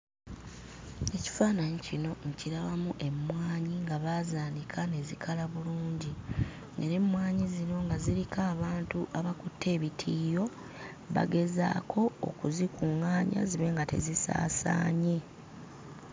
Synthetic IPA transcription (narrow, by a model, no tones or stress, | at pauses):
e̞ci̥faːnaɲecino̞ŋciɾaβamuʔe̞mːwaːɲiŋɡaβaːzaːndikʰane̞zikʰalaβuluːɲɟi | ḛɾe̞mwaːɲizino̞ŋɡaziɾikaːβaːntuʔaβakutʰːe̞ːβitʰiːjo̞ | βa̰ɡe̞za̰ːkʰo̞̰ːkuzikuŋaːɲa̰ziβe̞ːŋɡate̞̰zisa̰ːsa̰ːɲe̞